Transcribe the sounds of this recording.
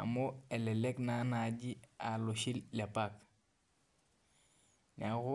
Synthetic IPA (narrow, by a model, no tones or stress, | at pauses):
a̰moelɛleknanaɟialoʃilːepak | ɲakʊ